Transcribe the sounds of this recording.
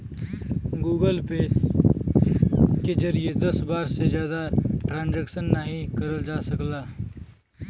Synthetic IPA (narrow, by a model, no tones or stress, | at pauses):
ɡuːɡəlpe | kezɐɾijed̪ɐsbaːɾsezjaːd̪aʈɾãːnd͡ʒɛːkʃənːaɦĩkɐɾəld͡ʒaːsɐklaː